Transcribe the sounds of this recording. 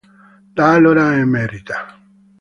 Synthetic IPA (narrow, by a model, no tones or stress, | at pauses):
lalolaɛmɛɾit̪a